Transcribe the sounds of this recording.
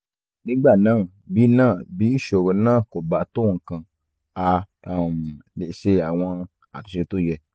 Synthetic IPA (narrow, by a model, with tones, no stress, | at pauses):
nĩ˦ɡ͡ba˦˨nãː˦˨ | bi˨˦nãː˦˨bi˨˦n̩˦ʃo˨ɾo˧nãː˦˨ko˨ba˨to˦˨˧kã˧ | a˧ | a˦˨m˨le˨ʃe˧a˨w̃ɔ̃˧ | a̰˨tu˨ʃe˧to˦˨jɛ˧